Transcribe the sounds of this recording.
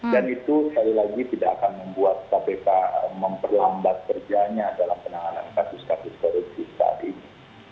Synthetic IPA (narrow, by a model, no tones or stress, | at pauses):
danit̪uskaɾilaɡit̪idaʔːkanməmbuat̪̚sapepaməmpərlambat̪̚kərd͡ʒaɲadalampənaŋanankasʊskasʊskoloɡsisə̥sa̰a̰t̪ini